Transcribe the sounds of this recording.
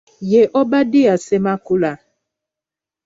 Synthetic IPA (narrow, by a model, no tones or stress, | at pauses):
jɛʔɔbadiasemakula